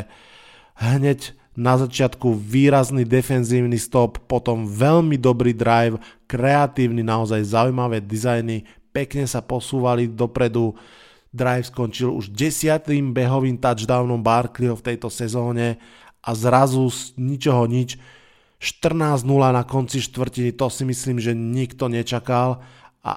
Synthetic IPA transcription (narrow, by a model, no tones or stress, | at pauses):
ɦɲɛɟ | nazat͡ʃɪat̪kuʋiːɾaznid̪ɛfɛnziːʊnist̪ɔpːɔt̪ɔmʋɛʎmid̪ɔbɾid̪ɾajwkɾɛat̪iːʊninaɔzajzaujmaʋɛːd̪izajni | pɛkɲɛsapɔsuːʋalid̪ɔpɾɛd̪u | d̪ɾajfskɔnt͡ʃilṵʒɟɛsɪat̪imbɛɦɔʋiːnt̪ad͡ʒd̪aːʊnɔmbaːɾkliɔft̪ɛjt̪ɔsɛzɔːɲɛ | ʔazɾazusɲit͡ʃɔɦɔɲit͡ʃ | ʃt̪r̩naːznulanakɔnt͡siʃt̪ʋr̩cinit̪ɔsimisliːmʒɛɲikt̪ɔɲɛt͡ʃakalʔa̰